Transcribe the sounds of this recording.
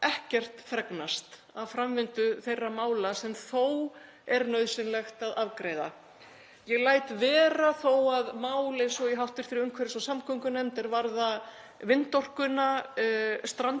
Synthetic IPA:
ɛhcɛr̥t̪fɾɛknast̪ | aðfɾamvɪnt̪ʏθejrːamaːwlasɛmθow | ɛɾnœɥðsɪnlɛxt̪aðavkɾeːjða̰ | jɛɣlaːjt̪vɛːɾaθowaðmaːwlɪsɔiɦawht̪ɪɾ̥fɪɾɪɾʏmkʰvɛɾɪsɔsamkʰɔŋkʏnɛmt̪ɪɾvaɾða | vɪnt̪ɔr̥kʏna | st̪ɾan

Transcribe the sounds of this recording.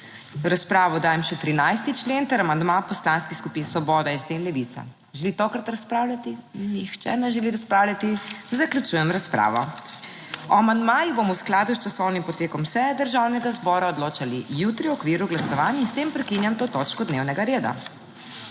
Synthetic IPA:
ɾaspɾaːʋɔd̪aːjɛmʃɛt̪ɾinajst̪it͡ʃleːnt̪ɛɾamand̪mapɔslanskixskupinsʋɔbɔːd̪aist̪enlɛʋit̪sa̰ | ʒɛlit̪okɾat̪ɾaspɾaːwlʲat̪inixt͡ʃɛ̰nɛʒɛliɾaspɾaːwlʲat̪izaklʲjut͡ʃujɛmɾaspɾa̰ːʋɔ̰ | ɔamand̪majibomɔwsklaːd̪ust͡ʃasɔwnimpɔt̪eːkɔmsɛd̪əɾʒawnɛɡazbɔːɾaɔd̪loːt͡ʃalijut̪ɾiwɔkʋiːɾuɡlasɔʋaːnjinst̪empɾɛkinjamt̪oːt̪ot͡ʃkɔd̪newnɛɡaɾeːd̪a̰

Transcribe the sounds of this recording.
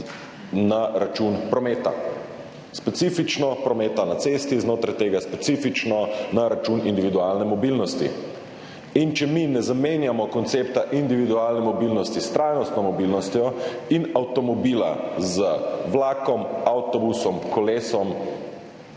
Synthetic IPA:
naɾat͡ʃunpɾɔmet̪a̰ | spɛt̪sifit͡ʃnɔpɾɔmeːt̪anat̪sest̪iznoːt̪ɾajt̪eːɡaspɛt̪sifit͡ʃnɔnaɾat͡ʃunind̪iʋid̪ualnɛmɔbilnɔst̪ḭ | int͡ʃɛminɛzameːnjamɔkɔnt̪seːpt̪aʔind̪iʋid̪ualnɛmɔbilnɔst̪ist̪ɾajnɔst̪nɔmɔbilnɔst̪jɔinawt̪ɔmɔbiːla̰zəʋlaːkɔmawt̪ɔbusɔmkɔleːsɔm

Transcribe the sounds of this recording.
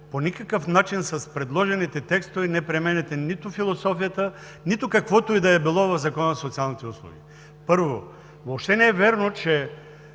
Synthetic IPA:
ponʲikɐkəfnat͡ʃinsɐspɾɛd̪lˠɔʒɛnit̪ɛt̪ɛkst̪ovɛnɛpɾɛmɛnɛt̪ɛnit̪ʊfilˠosɔfijət̪ə | nit̪ʊkɐkvɔt̪ʊid̪ɐɛbilˠɔvɐfzɐkɔnəsot̪sialˠnit̪ɛuslˠo̰ɡʲḭ | pɤɾvo | vopʃt̪ɛnɛɛvɛɾnot͡ʃɛ

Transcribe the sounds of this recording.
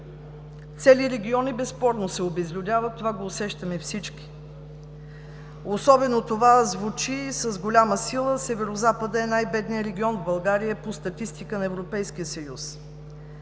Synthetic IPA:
t̪sɛliɾɛɡʲiɔnibɛspɔɾnosɛobɛzlʲʊd̪ʲavət̪ːovaɡoːsɛʃt̪əmɛfsit͡ʃkʲi̥ | osɔbɛnot̪ovazvut͡ʃisəzɡolʲaməsilˠəsɛvɛɾozapəd̪əɛnajbɛd̪nijəɾɛɡʲiɔnvbɐlˠɡaɾijəpost̪ɐt̪ist̪ikənɐɛvɾopɛjskijəsəjus

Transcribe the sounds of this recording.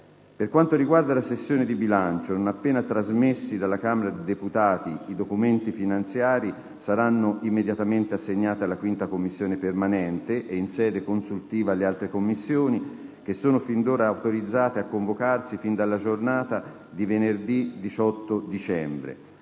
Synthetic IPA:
perkwant̪oɾiɡward̪alasesːjoːned̪ibilant͡ʃononapːeːnat̪ɾazmesːid̪alːakaːmeɾad̪ed̪eput̪aːt̪iid̪okument̪ifinant̪sjaːɾi | saɾanːoʔimːed̪jat̪ament̪easːeɲːaːt̪ialːakwint̪akomːisːjoːnepermanɛnt̪eʔeinsɛːd̪ekonsult̪iːvaːlːealt̪ɾekomːisːjoːni | k̟esːoːnofind̪oːɾaːwt̪oɾid̪zːaːt̪eakːoɱvokarsifind̪alːad͡ʒornaːt̪a | d̪ivenerd̪id̪it͡ʃɔt̪ːod̪it͡ʃɛmbɾḛ

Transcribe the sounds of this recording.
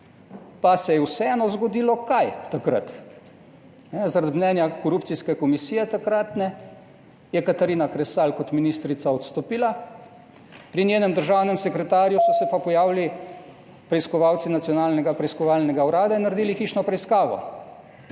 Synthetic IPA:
pasɛjɛwsɛɛːnɔzɡɔd̪iːlɔkajt̪akɾa̰t̪ | nɛzaɾad̪mnɛnjakɔɾuːpt̪siskɛkɔmisiːjɛt̪akɾat̪nɛ | jɛkat̪aɾiːnakɾɛsalkɔt̪minist̪ɾit̪saɔt̪st̪ɔpiːla | pɾinjeːnɛmd̪əɾʒaːwnɛmsɛkɾɛt̪aːɾjusɔsɛpapɔjaːʋili | pɾɛiskɔʋaːwt̪sinat̪sijɔnaːlnɛɡapɾɛiskɔʋaːlnɛɡauɾaːd̪ainːaɾed̪iːlixiːt͡ʃnɔpɾɛiskaːʋɔ̰

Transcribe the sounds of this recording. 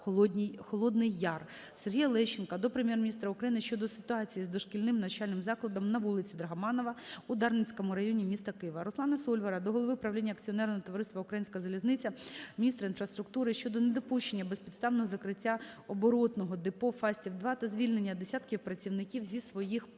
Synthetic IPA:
xɔlˠɔd̪nɪjːɑr | serɦʲijɐlˠɛʃɪnkɐd̪ɔpɾemjɛrmʲnʲist̪ɾɐʊkɾɐjinɪʃt͡ʃɔd̪ɔsɪ̥t̪ʊɑt͡sʲijizd̪ɔʃkɪlʲnɪmnɐt͡ʃalʲnɪmzɑklˠɐd̪ɔmnɐʋulˠɪt͡sʲid̪ɾɐɦɐmɑnɔʋɐud̪ɑrnɪt͡sʲkɔmʊɾɐjɔnʲimʲist̪ɐkɪjʋɐɾɔsˠɑnɐsɔlʲʋɐɾɐd̪ɔɦɔlˠɔʋɪpɾɐwlʲinʲːɐkt͡sʲiɔnɛɾnɔɦɔt̪ɔʋɐɾɪst̪ʋɐʊkɾɐjinʲsʲkɐzɐlʲiznɪt͡sʲɐmʲinʲist̪ɾɐinfɾɐst̪ɾʊkt̪uɾɪʃt͡ʃɔd̪ɔned̪ɔpuʃt͡ʃenʲːɐbɛspʲidt̪st̪ɑʋnɔɦɔzɐkɾɪtʲːaɔbɔɾɔt̪nɔɦɔd̪ɪpɔfɑsʲtʲiwd̪ʋɑt̪ɐzʲʋʲilʲnenʲːɐd̪esʲat̪kʲiwpɾɐt͡sʲiwnɪkʲiwzʲisʋɔjix

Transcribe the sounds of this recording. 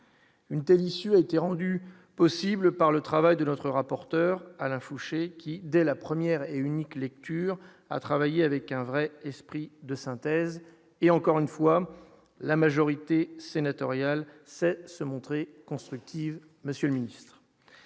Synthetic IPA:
ynt̪ɛlisyaet̪eʁɑ̃d̪y | pɔsibləpaʁlət̪χavajd̪ənɔt̪χəʁapɔʁt̪œʁalɛ̃fuʃekʲid̪ɛlapχəmjɛʁeyniklɛk̚t̪yːʁ | a̰t̪χavajeavɛkɛ̃vʁɛɛspχid̪əsɛ̃t̪ɛz | eɑ̃kɔʁynfwa | lamaʒɔʁit̪esenat̪ɔʁjalsɛsəmɔ̃t̪χekɔ̃st̪χyk̚t̪ʰiv | məsjøləminist̪χ

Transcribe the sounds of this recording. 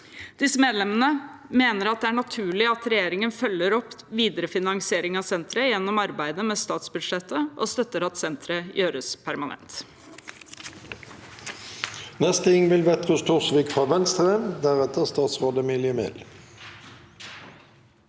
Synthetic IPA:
d̪̥ɪsəmeːd̪lɛmənəmeːnəɾɑt̪̚d̪ɛæːɳɑt̪ʰʉːɭɪɑt̪ɾɛjeːɾɪŋənfœlːəɾɔpːʋiːd̪əɾəfɪnɑŋsɪeːɾɪŋɑːʋsɛnt̪ɾəjɛnːɔmɑɾbæɪd̪əmɛst̪ɑːt̪sbʉd̪ʂɛt̪ːəʔost̪œt̪ːəɾɑt̪sɛnt̪ʰɾəjøːɾəspʰæɾmɑnʔɛ̰nt̪ | nɛst̪əɪŋʋɪlʋet̪ʁʊst̪ʰʊʁsʋiːkfɑʋɛnst̪ʁemd̪æʁɛt̪əʁst̪ɑːt̪sʁoːd̪əmɪljəmḛːl

